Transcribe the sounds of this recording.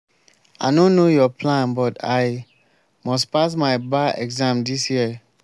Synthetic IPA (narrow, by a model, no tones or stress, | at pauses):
a̰nõnːojɔpʰlãnbɔtaɪ | mɔstpasmaɪbaɛɡzãmdisjiə